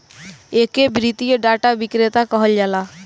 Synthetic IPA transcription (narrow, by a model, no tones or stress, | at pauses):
eːkebɾit̪ijoɖaːʈaʋɪkɾet̪akɔɦəld͡ʒaːlaː